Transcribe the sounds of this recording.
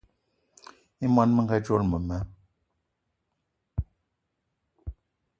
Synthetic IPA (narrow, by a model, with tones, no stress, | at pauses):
i˦mwa˦nmə˦ŋ˦ɡa˦d͡ʒo˦lmə˨mɛ˦